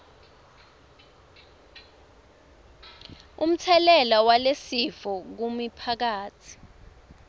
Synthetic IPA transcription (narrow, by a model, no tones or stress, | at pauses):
um̩tʰɛlɛlawalesifɔk̬umipʰak̬aːt͡sʰi̥